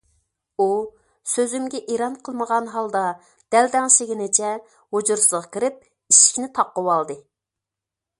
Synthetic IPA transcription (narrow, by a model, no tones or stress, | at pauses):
u | søzymɡʲɛʔeɾɑnqʰəlˠməʁɑnɦɑlˠd̪ɑ | d̪̥ɛld̪ɛŋʃeɡʲinɪt͡ʃʰɛ | hod͡ʒuɾsɨzʁɑkʲiɾɪp̚ | iʃi̥kʲnɪt̪ʰɑqːəwɑlˠd̪ɨ